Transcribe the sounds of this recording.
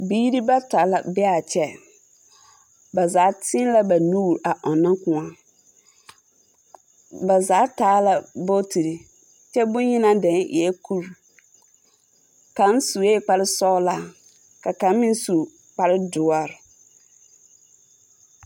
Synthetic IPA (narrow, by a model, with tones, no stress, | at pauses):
biː˦ɾi˦ba˦ta˨˦la˨bɪ˦a˨t͡ʃʰɛ˦ | bɛ˨zaː˨˦tʰɪ̃˦n˦la˦ba˨nu˦˨ɾa˨ʔɔ˨nã˦kʊ̃˨a˨ | bɛ˨zaː˨˦taː˨˦la˦bo˦tʰi˨ɾi˨ | t͡ʃɛ˦bʊ̃˦ɲĩ˦nã˦dɛ̃˨˦nʔɪ̰˨ɛ˦kʰu˦ɾ | kã˨˦n˦su˨eː˦˨k͡pa˨ɾɪ˦sɔ˦la˨ | ka˨kã˨˦mɪ̃˦n˦su˨ | k͡pa˨ɾɪ˦dʊ˨ɔ˦ɾ